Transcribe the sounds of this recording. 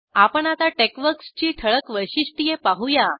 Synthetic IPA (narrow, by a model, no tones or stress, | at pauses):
apəɳat̪aʈekʋəɾkst͡ɕiːt̪ʰəɭəkʋəjɕiɕʈijepaɦuja